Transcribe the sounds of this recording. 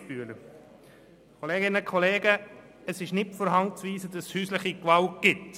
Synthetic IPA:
pyːələ | kʰɔleːɡɪnəkχɔleːɡə | əsɪʃnɪfɔːɾɦɑŋt͡sʋiːsədɑshyːsləχikʋɑltɡ̥ɪt

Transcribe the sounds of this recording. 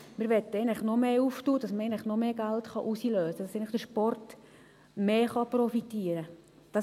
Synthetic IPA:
məɾʋɛt̪ːəɛɪnləχnɔmeːuftuːd̥ɑsməɾɛɪɪnləχnɔmeːɡæltχɑʔusiløːsəd̥ɑsɛɪnləχd̥əɾʃpɔrt | meːχɑpɾɔfitiəɾə | d̥ɑ

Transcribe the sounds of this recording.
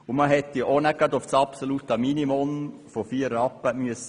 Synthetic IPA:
ʊmɑɦɛt̪ːionɛɡ̥ɑd̪ʊfsɑpsolut̪əminimɔnfofiːəɾɑpːəmyəs

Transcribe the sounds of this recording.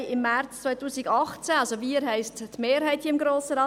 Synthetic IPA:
ɪmːært͡st͡svœɪtuːsɪɡɑχt͡sæɑlsoʋiəɾɦɛɪsttmeːɾɦhɛɪthiəɪmɡɾoːssəɾɑː

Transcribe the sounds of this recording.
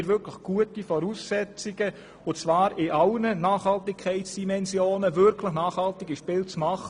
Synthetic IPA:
ɾʋʏɾkʰləχɡ̥uətifɔɾuːsːɛt͡siɡə | ʊt͡svɑːɾɪʔɑlnənɑːχhɑltɪkʰːɛɪtsd̥imɛnsjoːnəvʏɾkʰləχnɑːχhɑltɪɡiʃpɪːlt͡smɑχə

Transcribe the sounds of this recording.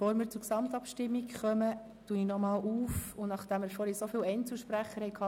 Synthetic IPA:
foːɾmɪːɾt͡sʊɾksɑmt̪ɑpʃtɪmːikχœmə | tuinɔmɑːlʔuːfʊnnɑχd̥ɛmfoːɾisofiːlɛɪnt͡sl̩ˠʃpɾæχːəhɛɪkʰɑː

